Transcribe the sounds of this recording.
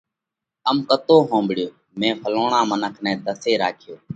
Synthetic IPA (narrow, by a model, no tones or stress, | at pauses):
əmkət̪oːɦõːmbɽɪjoː | mẽːpʰəloːɳãːmənəkʰnɛ̃ːt̪əseːɾaːkʰɪjoː